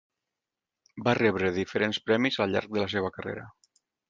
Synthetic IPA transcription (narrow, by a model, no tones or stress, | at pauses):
barɛβɾəðifəɾenspɾɛmizəlʎa̰ɾk̚d̪ələs̬eβəkərḛɾə